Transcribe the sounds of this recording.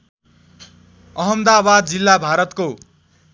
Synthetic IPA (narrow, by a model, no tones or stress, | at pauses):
ʌɦʌmd̪abad̪̚d͡zilːabʱaɾʌt̪ko